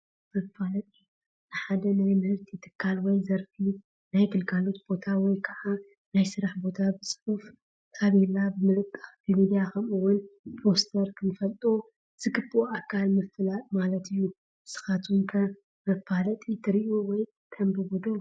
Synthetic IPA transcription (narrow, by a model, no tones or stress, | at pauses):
mɐfalɐt̪ʼi | nɨħad̪ɐnajmɨhɨɾt̪ʰit̪ʰɨ̥kʰːalwɔjzɐɾfi | najɡɨlkʰalo̞t̪b̥o̞t̪ʰawɔjkʰaʔa | najsɨɾaħbo̞t̪ʰabɨsʼɨʔufʰ | aβɛlːabɨmɨlɨkʼːɨxbɨmid̪ijakʰɐmɨwʊnpʰɾo̞st̪ʰɐɾkʰɨnɨfɐlt̪ʼo | z̥ɨkɨbʼuakʰːalmɨfɨlamalɐt̪ʰɨjːu | sɨ̥xat̪ʰwuŋkʰɐ | mɐfalɐt̪ʼit̪ʰɨɾiʔowɔj | kʰɐmbɨbud̪o